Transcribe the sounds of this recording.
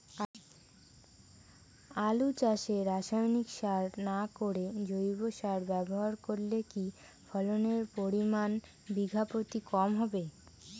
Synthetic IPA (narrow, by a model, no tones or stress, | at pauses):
alut͡ɕaʃeɾaʃajnikʃaɾnakoɾed͡ʑojboʃaɾbɛboɦaɾkoɾleki | fʰɔloneɾpoɾiman | biɡʱapot̪ikɔmɦɔbe